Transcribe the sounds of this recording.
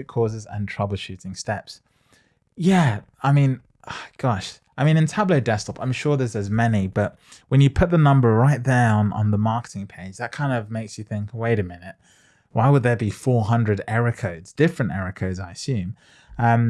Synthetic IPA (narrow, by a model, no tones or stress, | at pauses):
ʉt̚kʰɔːzɪzə̰̃ntʰɹ̥ʌblˠʃʉɾɪ̃ŋstɛps | jæ | aɪmĩn | ʌɡ̥ɑʃ | ʔaɪmĩnɨ̃ntʰabləʊdɛstɑpãɪ̃mʃɔɹðəzəzmɛnib̥ʌʔ̚wə̃njɨpʰʊt̪̚ðənʌ̃mbə˞ɹaɪt̪̚ðə˞ə̃nə̰̃nðəmɑˑɹkə̥tɪ̃ŋpʰeɪd͡ʒðət̚kʰãɪ̃ndʌvmeɪksjɨθɪ̃ŋkəweɪɾɨmɪnɪt̚ | waɪwəd̪̚ðə˞bifɔːɹɦʌ̃ndɹɨɾɛɹɨkʰəʊdz̥dɪfɹɨ̃ntɛɹɨkʰəʊdzaɪəsjʉ̃m | ʌ̃m